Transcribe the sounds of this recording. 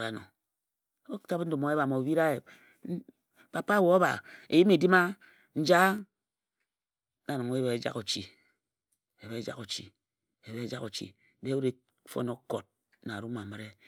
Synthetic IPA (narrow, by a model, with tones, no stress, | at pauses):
ɾa˨no̰˨˦ | bo˦ta˦pn̩˦du˨mo˨e˦βa˨mo˨bi˦ɾa˦e˨˦ | pa˦pa˦˨wo˨˦a˦βa̰˨ḛ˨ji˦me˨di˦ma˦ | n̩˦d͡ʒa˦ | na˨na˨ŋ˦e˦be˨˦e˨d͡ʒa̰˦ko˨t͡ʃi˨ | e˨βe˦d͡ʒa̰˦ko˨t͡ʃḭ˨ | e˨βe˦d͡ʒa˦ko˨t͡ʃḭ˨˦ | de˦u˦ɾe˦ | fo̰˦no˦ko˨t̚ | na˨ɾu˦ma˨me˨ɾe˦